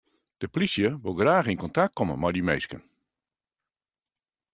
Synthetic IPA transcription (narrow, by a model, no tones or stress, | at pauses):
d̥əplisjəʋolˠɡraːxinkɔntak̚t̚kʰɔmə̰majdimḛjskən